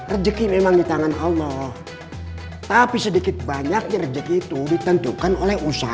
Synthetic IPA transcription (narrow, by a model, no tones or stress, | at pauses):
rəd͡ʒəkimemaŋdit̪aŋanɑlːɔh | t̪apisədikɪt̪̚baɲak̚ɲarəd͡ʒəkit̪udit̪ənt̪ukanolɛhusa